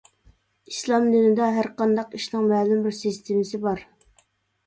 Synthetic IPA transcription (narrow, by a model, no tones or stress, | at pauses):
islˠɑmd̪ɪnɪd̪ɑɦæɾqɑnd̪ɑqiʃnɨŋmɛːlɪmbɪɾsɨst̪ʰemɪsɪbɑɾ